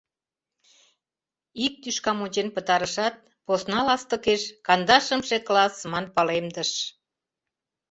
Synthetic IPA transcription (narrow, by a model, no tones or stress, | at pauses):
ik̚t̪yʃkɑmot͡ɕenpət̪ɑɾəʃɑt̪̚ | posnɑlɑst̪əkeʃkɑnd̪ɑʃəmʃeklɑsmɑnpɑlemd̪əʃ